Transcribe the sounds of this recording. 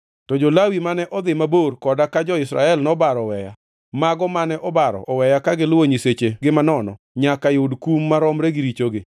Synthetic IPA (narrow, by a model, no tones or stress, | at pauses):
tɔd͡ʒɔlawimanɛʔɔd̪ɪmaborkɔdakad͡ʒɔɪsɾa̰ɛlnɔbaɾɔwɛja | maɡɔmanɛʔɔbaɾɔ̰ʔɔwɛjakaɡɪlwoɲiset͡ʃeɡɪmanɔnɔ | ɲakajodkumːaɾɔmɾɛɡɪɾit͡ʃoɡɪ